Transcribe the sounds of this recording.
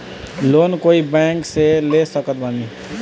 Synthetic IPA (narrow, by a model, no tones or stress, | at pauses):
loːnkoːibɛ̃kselesəkət̪̚bani